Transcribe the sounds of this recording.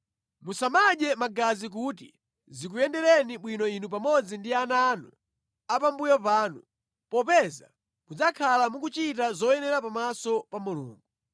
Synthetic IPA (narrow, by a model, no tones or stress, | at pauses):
musamaɗɛmaɡazik̬utḭ | zikujɛndɛɾɛniɓwinɔinup̬amɔd͡zindianaːnu | apambujɔpaːnu | pɔpɛza̰ | mud͡zakʰalamuk̬ut͡ʃit̬azɔjɛnɛɾapamasɔpamulṵːŋɡu